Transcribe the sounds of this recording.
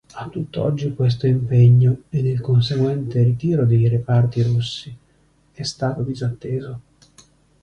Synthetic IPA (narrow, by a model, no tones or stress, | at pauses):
at̪ːut̪ːoɔ̰d͡ʒːikwes̬t̪oimpeɲːoenːelkonseɡwɛnt̪erit̪iːɾod̪ejrepart̪iɾusːi | ɛst̪aːt̪od̪izat̪ːeːzo